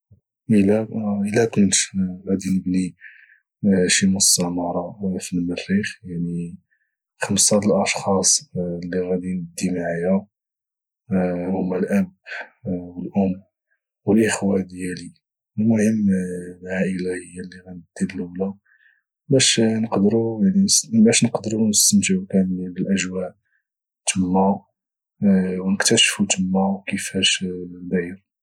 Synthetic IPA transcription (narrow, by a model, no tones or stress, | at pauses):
ʔəlæʔəlːækʊnt̪ɣæd̪inəbni | ʃimʊst̪ɑmɑɾˤɑfilmərːixjaʕni | xəmsæt̪lʔɑʃxɑsˤlːiɣæd̪inəd̪ːimaʕjæ | hʊmːælʔæb | wəlʔʊmː | wəlʔəxwad̪jæli | lmʊhəmːlʕaʔəlahəjːælːiɣænəd̪̥ːilːʊmlæ | bæʃnəqd̪əɾuad̪insbæʃnəqd̪əɾunəst̪ənʒəʕukænmənəlʔəʒwæʔ | t̪əmːa | wnəkt̪æʃfut̪ʰəmːawkəfæʃəlbijɾ